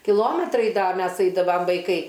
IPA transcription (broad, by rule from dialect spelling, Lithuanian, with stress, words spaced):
kʲɪˈlˠoːmʲɛtrɐɪ ˈdɐ ˈmʲɛs ˈɐɪdɐʋɐm ʋɐɪˈkɐɪ